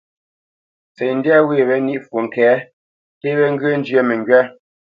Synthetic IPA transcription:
t͡se˨n̩˦djɛ˦we˦˨βɛ˨˦ni˦ʔfwu˨ŋ̩˨kɛ˨˦ | te˦βɛ˦ŋ˦ɡə˦n̩˦d͡ʒjə˦me˨ŋ˨ɡɥɛ˦

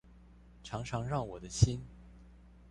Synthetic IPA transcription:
ʈ͡ʂʰɑ˧˥ŋʈ͡ʂʰɑ˧˥ŋɻɑ˥˩ŋwɔ˨˩d̪ə˦ɕi˥n

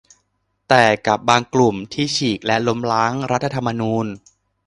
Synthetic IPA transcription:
t̪ɛː˨˩ka˨˩p̚baː˧ŋklu˨˩mt̪ʰiː˥˩t͡ɕʰiː˨˩k̚lɛ˦˥lo˦˥mlaː˦˥ŋɾa˦˥t̪ʰːa˧t̪ʰa˧mːa˧nuː˧n

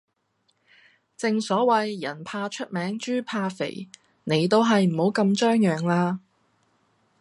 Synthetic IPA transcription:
t͡sɪ˨ŋsɔː˨˥wɐ˨jːɐ˨˩npʰaː˧t͡ʃʰɵ˥t̚mɛː˨˥ŋt͡ʃyː˥pʰaː˧fḛ˨˩j | ne˨˧jt̪o˥wɦɐ˨jm̩˨˩ho˨˥wkɐ˧mt͡ʃœː˥ŋjœː˨ŋlaː˧

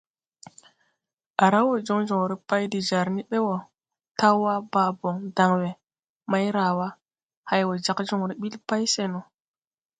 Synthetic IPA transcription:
a˨ɾa˦wo˨d͡ʒo˦ŋd͡ʒo˨ŋɾi˦pa˦jdi˨d͡ʒa˨ɾni˦ɓe˦wo˨ | ta˦wa˦baː˨bo˨ŋda˨ŋwe˨ | ma˦jɾa˨wa˦ | ha˦jwo˨d͡ʒa˨kd͡ʒo˨ŋɾi˦ɓi˦lpa˦jse˨no˨

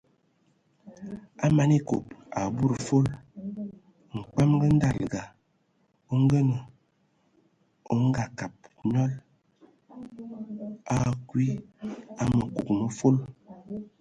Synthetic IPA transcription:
a˦ma˨ni˦ko˨p̚a˨bu˦ɾfo˦l | ŋ̩˨k͡pa˦mɡə˦n̩˦da˦˨lɡa˨ | o˦ŋ˦ɡə˦nə˨ | o˨˦ŋ̩˦ɡa˨ka˨p̚ɲɔ˦l | a˨kwi˦a˨mə˨ku˨kmə˦fo˦l

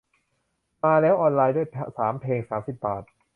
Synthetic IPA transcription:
maː˧lɛː˦˥wʔɔː˧nlaː˧jduː˥˩jpʰsaː˩˦mpʰeː˧ŋsaː˩˦msi˨˩p̚baː˨˩t̪̚

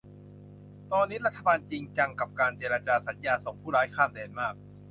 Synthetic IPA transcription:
t̪ɔː˧nːiː˦˥ɾa˦˥t̪ʰːa˧baː˧nt͡ɕi˧ŋt͡ɕa˧ŋka˨˩p̚kaː˧nt͡ɕeː˧ɾaː˧t͡ɕaː˧sa˨˩˦njaː˧so˨˩ŋpʰuː˥˩ɾaː˦˥jkʰaː˥˩mdɛː˧nmaː˥˩k̚

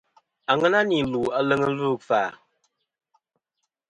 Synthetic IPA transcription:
a˨ŋɛ˦na˦ni˨lu˨a˨lə˦ŋə˦lu˦˨kfaː˨

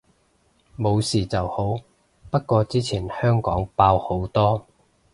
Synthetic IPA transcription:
mo˨˧wsiː˨t͡sɐ˨who˨˥w | pɐ˥t̚kɔː˧t͡siː˥t͡sʰiː˨˩nhœː˥ŋkɔː˨˥ŋpaː˧who˨˥wt̪ɔː˥

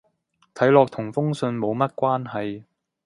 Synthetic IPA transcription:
t̪ʰɐ˨˥jlɔː˨k̚t̪ʰʊ˨˩ŋfʊ˥ŋsɵ˧nmo˨˧wmɐ˥t̚kʷaː˥nɦɐ˨j

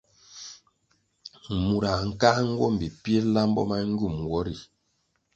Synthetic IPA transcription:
mu˨ɾa˨ŋ̩˨ka˦ŋ̩˦ɡwɔ˦˨m̩˨bi˨pje˦la˦m˦bɔ̰˦ma˦ŋ̩˦ɡu˦˨m˨ɡwɔ˦ɾi˨

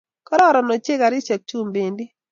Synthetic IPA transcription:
kɔ˦ɾɔ˦ɾɔ˨no˨t͡ʃe˦ka˨ɾɪ˦t͡ʃɛ˨k̚t͡ʃu˦mbe˨ndi˦

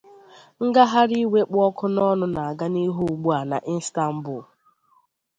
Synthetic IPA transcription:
ŋ̩˦ɡa˦ɦa˦ɾi˦we˦k͡pɔ˦kʰʊ˦nɔ˦nʊ˦na˨a˨ɡa˦ni˦ɦu˦˨ɡ͡bu˦a˨na̰˨ʔi˦n̩˦sta˦m̩˦bʊ˨

